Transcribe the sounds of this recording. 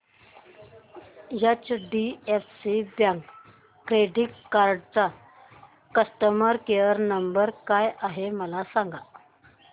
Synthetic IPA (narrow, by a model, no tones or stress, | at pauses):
jat͡ɕɖiefsibjãŋkː | ɾeɖiʈkaɾɖt͡sa | kəsʈəməɾkejəɾnəmbəɾkajaɦeməlasãŋɡa